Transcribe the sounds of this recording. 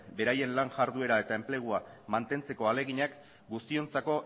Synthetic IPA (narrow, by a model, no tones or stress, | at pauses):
be̞ɾaje̞nlaŋʝaɾðue̞ɾae̞t̪ae̞mple̞ɣ̞uamant̪e̞nt͡se̞ko̞ale̞ɣiɲak | ɡust̪io̞nt͡sako̞